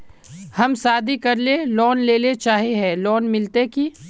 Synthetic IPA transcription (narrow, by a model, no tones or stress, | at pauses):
hɐmsaːd̪ʱikɐɾlelɔːnleːlet͡ʃaːɦeɦɛ̃ːlɔːnmɪlt̪eki